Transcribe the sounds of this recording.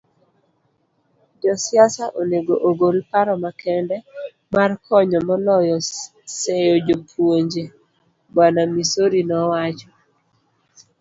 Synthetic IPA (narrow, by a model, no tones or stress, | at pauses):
d͡ʒɔsɪasaʔoneɡoʔoɡolpaɾɔmakʰɛndɛ | markʰɔɲɔmɔlɔjɔ | sejod͡ʒopʰwoɲd͡ʒe | banamisoɾinɔwat͡ʃɔ